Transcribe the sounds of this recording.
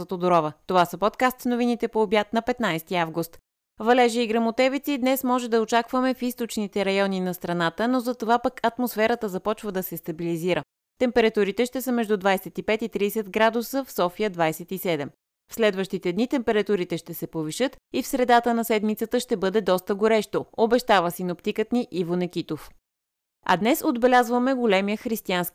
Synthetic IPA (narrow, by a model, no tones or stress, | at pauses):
ət̪od̪oɾɔvət̪ovasəpɔt̪kast̪snovinit̪ɛpoːbjat̪nɐpɛt̪najst̪iavɡʊst̪ | vɐlɛʒəiɡɾɐmot̪ɛvit̪sid̪nɛsmɔʒɛd̪ɐot͡ʃakvəmɛfist̪ot͡ʃnit̪ɛɾɐjɔninɐst̪ɾɐnat̪ənozɐt̪ovapəkʰɐt̪mosfɛɾət̪əzɐpɔt͡ʃvəd̪ɐsɛst̪ɐbiliziɾə | t̪ɛmpɛɾɐt̪uɾit̪ɛʃt̪ɛsəmɛʒd̪ud̪vajsɛt̪ipɛt̪it̪ɾisɛt̪ɡɾad̪usəfsɔfijəd̪vajsɛt̪isɛd̪ɛm | fslɛd̪vəʃt̪it̪ɛd̪nit̪ɛmpɛɾɐt̪uɾit̪ɛʃt̪ɛsɛpoviʃɤt̪ifsɾɛd̪at̪ənɐsɛd̪mit̪sət̪əʃt̪ɛbɤd̪ɛd̪ɔst̪əɡoɾɛʃt̪oobɛʃt̪avəsinopt̪ikət̪niʔivonɛk̟it̪of | ɐ̰d̪nɛsod̪bɛlʲazvəmɛɡolɛmijəxɾist̪ianskʲ